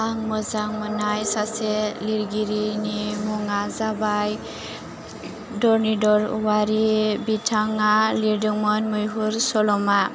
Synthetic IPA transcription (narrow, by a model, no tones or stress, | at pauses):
aŋmɔzaŋmɔnajsasɛliɾɡiɾinimɔŋazabaj | dɔɾnidɔɾwaɾibitʰaŋaliɾdɔŋmɔnmujɦuɾsɔlɔma